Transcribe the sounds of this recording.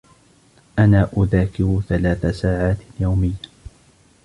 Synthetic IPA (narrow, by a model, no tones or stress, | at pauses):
ʔanaːʔʊðaːkɪɾuθalaːθasaːʕaːt̪jawmɪjːa